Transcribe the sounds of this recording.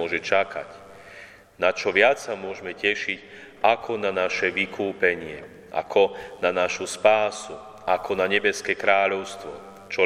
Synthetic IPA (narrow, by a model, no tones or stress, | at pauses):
ɔʒɛt͡ʃakʰa̰c | nat͡ʃɔʋɪat͡sːamʊɔʒmɛcɛʃic | akʰɔnanaʃɛʋikʰuːpɛɲɪɛ | ʔa̰kʰɔnanaʃuspaːsu | ʔakʰɔnaɲɛbɛskɛkɾaːʎɔʊst̪ʋɔ | t͡ʃɔ